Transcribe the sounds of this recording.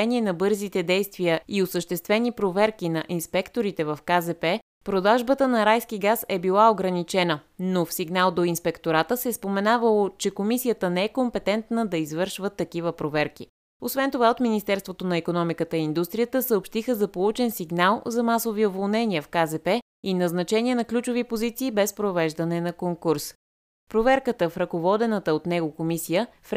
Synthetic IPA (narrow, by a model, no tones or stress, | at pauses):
ɛniɛnɐbɤɾzit̪ɛd̪ɛjst̪viəiosəʃt̪ɛst̪vɛnipɾovɛɾkinɐʔinspɛkt̪oɾit̪ɛvɐfkazɛpɛ | pɾod̪aʒbət̪ənɐɾajskiɡasɛbilˠaoɡɾɐnit͡ʃɛnə | nofsiɡnalˠd̪oinspɛkt̪oɾat̪əsɛspomɛnavəlˠot͡ʃɛkomisijət̪ənɛɛkompɛt̪ɛnt̪nəd̪ɐizvɤɾʃvət̪ːɐkivəpɾovɛɾki | osvɛnt̪ovaot̪minist̪ɛɾst̪vot̪onɐɛkonɔmikət̪əiind̪ust̪ɾijət̪əsəopʃt̪ixəzɐpolˠut͡ʃɛnsiɡnalˠzɐmasoviovolˠnɛniəfkazɛpɛ | inɐznɐt͡ʃɛniɛnɐklʲut͡ʃovipozit̪siːbɛspɾovɛʒd̪ɐnɛnɐkoŋkuɾs | pɾovɛɾkət̪əfɾɐkovɔd̪ɛnət̪əot̪nɛɡokomisijə | f